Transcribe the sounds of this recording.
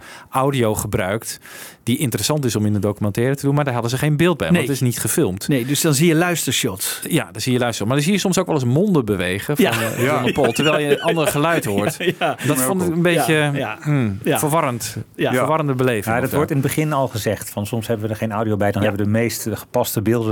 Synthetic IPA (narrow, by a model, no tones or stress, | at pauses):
ʔawdioχəbrœ̰ɥkt | d̥iʔɪntərəsɑntɪsɔmɪndədowkymɛ̃ntɛːɾətədunmaɹdaɹɦɑdəzəχeːnbɪːl̚ˠbɛ̰jɔnntɪsnitχəfɪlˠmtnedsdɔnzijəlœɥstəɹʃɔtjadɔnzijəlœɥstə̥ɔtmadəsiːjəsɔmsoːkʋɛlˠəsmɔndəbəʋejɣəfnɔndəpolˠtəɹʋɛlˠjəʔɑndərəχəlœɥtortdɔfontɪənbejə | fəɹʋɑɾəntfərʋɑrəndəbəleːvŋadɔtʋɔɹtɪnədbəχɪnɔlˠχəzɛχtfɑnsɔmshɛbəʋədəɹχeːnawdiowbɛjdɔnɛbəʋədəmejstχə̥pɑstəbɪlˠdə